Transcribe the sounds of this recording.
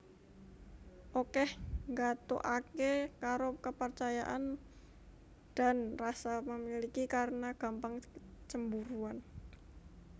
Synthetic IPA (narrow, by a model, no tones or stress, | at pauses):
ʔokɛhŋɡat̪o̰ʔakekaɾokəpərt͡ʃaja̰ʔan | d̥a̤nrasaməmilikikaɾənaɡ̥a̤mpaŋt͡ʃəmbuɾuan